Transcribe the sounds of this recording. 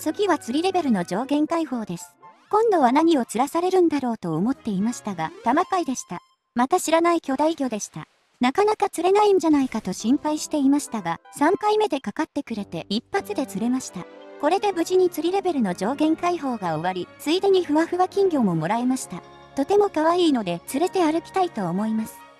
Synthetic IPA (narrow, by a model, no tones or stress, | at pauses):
soɡʲiβat͡sɨɾʲiɾe̞be̞ɾɯ̟no̞d͡ʑo̞ːɡẽ̞ŋkaiho̞ːd̪e̞sɨ̥kõ̞nd̪o̞β̞anaɲ̟io̞t͡sɨɾasaɾe̞ɾɯ̟̃nd̪aɾo̞ːt̪o̞ːmo̞t̪ːe̞imaɕi̥t̪aɡat̪amakaid̪e̞ɕi̥t̪a | mat̪aɕiɾanaikʲo̞d̪aiɡʲo̞d̪e̞ɕi̥t̪a̰ | nakanakat͡sɨɾe̞naĩɲ̟d͡ʑanaikat̪o̞ɕĩmpaiɕi̥t̪e̞imaɕi̥t̪aɡasãŋkaime̞d̪e̞kakat̪ːe̞kɯ̟ɾe̞t̪e̞ipːat͡sɨd̪e̞t͡sɨɾe̞maɕi̥t̪ako̞ɾe̞d̪e̞bɯ̟ʑiɲ̟it͡sɨɾʲiɾe̞be̞ɾɯ̟no̞d͡ʑo̞ːɡẽ̞ŋkaiɦo̞ːɡao̞βaɾʲit͡sɨid̪e̞ɲ̟iɸɯ̟βaɸɯ̟βakʲĩŋɡʲo̞mo̞mo̞ɾae̞maɕi̥t̪a | t̪o̞t̪e̞mo̞kaβaiːno̞d̪e̞t͡sɨɾe̞t̪e̞aɾɯ̟kʲi̥t̪ait̪o̞ːmo̞imasɨ̥